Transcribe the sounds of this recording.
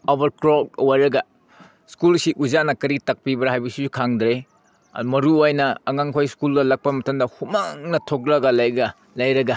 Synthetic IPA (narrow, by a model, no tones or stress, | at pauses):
obɐɾkɾok̚wajɾɐɡɐ | skulsiʔuzanɐkɐɾitɐk̚pibɐɾɦajbɐsizukʰaŋdɾe | mɐɾuojnɐːŋaŋkʰojskuldɐlɐk̚pɐmɐtɐmdɐhumaŋnɐtʰok̚ɾɐɡɐlajɡɐ | lɐjɾɐɡɐ